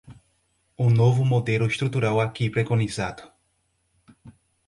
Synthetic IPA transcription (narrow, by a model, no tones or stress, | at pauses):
unovʊmod̪elʊest̪ɾut̪uɾawakipɾekõnizad̪ʊ̥